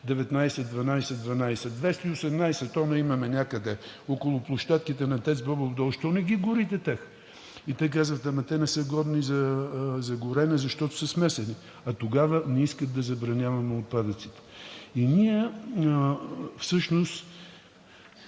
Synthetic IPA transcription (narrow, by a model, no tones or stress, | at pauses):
d̪ɛvɛt̪najsɛd̪vɐnajsɛd̪vɐnajsɛd̪vɛst̪ɐiosɛmnajsɛt̪ɔnɐimɐmɛnʲakəd̪ɛ | ɔkʊlˠʊplˠʊʃt̪at̪̚kit̪ɛnɐt̪ɛt̪szbɔbovd̪ɔlˠʃt̪ɔnɛɡʲiɡʊɾit̪ɛt̪ʲax | it̪ɛkazvət̪ɐmɐt̪ɛnɛsəɡɔd̪nizɐzɐɡʊɾɛnɛzɐʃt̪ɔt̪ʊ̥sɐsmɛsɛni | ɐt̪oɡavənɛiskət̪̚d̪ɐzɐbɾɐnʲjavɐmɛot̪̚pad̪ət̪sit̪ə̥iniɛ | fsɤʃnost̪